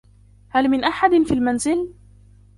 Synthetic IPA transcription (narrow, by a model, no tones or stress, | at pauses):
halmɪnʔaħad̪ɪnfiːlmanzɪl